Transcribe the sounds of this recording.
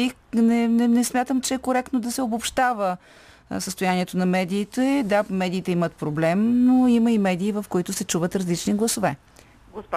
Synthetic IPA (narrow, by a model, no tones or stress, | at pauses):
inɛnɛnɛsmʲjat̪əmt͡ʃɛːkoɾɛk̚t̪nod̪ɐsɛobopʃt̪avə | səst̪ojaniɛt̪onɐmɛd̪iːt̪ɛɛd̪amɛd̪iːt̪ɛimət̪pɾoblɛmnoimɐimɛd̪iːvɐfkoit̪ʊsɛt͡ʃuvət̪ɾɐzlit͡ʃniɡlˠɐsovɛ